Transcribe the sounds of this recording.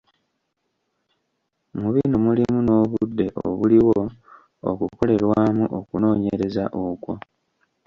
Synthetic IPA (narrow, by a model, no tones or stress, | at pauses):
muβinomulimuno̞ːβudːe̞ʔo̰βuliwo̞ | o̰kuko̞le̞ɾwaːmuʔokuno̞ːɲeɾe̞za̰ʔokwo